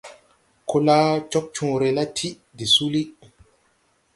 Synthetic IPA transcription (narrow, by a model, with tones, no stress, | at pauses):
kʰo˦la˦t͡ʃɔ˦k̚t͡ʃũ˨ɾe˨la˦tʰi˦ | di˨su˦li˦